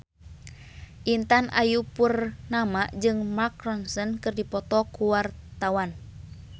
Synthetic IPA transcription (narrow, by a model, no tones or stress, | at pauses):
ʔint̪anʔa̰jupurnamaʔd͡ʒɨŋmakrɔnsɔnkɨrdipɔt̪ɔkuwart̪awan